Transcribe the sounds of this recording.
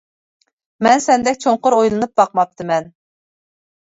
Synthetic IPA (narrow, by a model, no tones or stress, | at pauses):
mɛnsɛnd̪ɛkʲt͡ʃʰoɴqʊɾojlˠɨnɨp̚bɑqmɑp̚t̪ʰɨmɛn